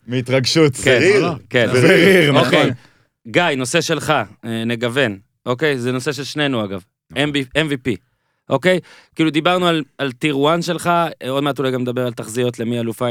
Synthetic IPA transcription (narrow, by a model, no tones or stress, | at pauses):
meit̪ʁaɡʃut̪kekeneiʁokej | ɡajno̞se̞ʃe̞lχaneɡave̞n | ʔo̞ke̞jzeno̞seʃ̬elʃne̞nuaɡav | enbienvipi | ʔo̞ke̞jkiːlud̪ibaʁnualalt̪iʁuanʃe̞lχao̞d̪meat̪ulajɡamned̪abeʁalt̪aχzijo̞tle̞mialufa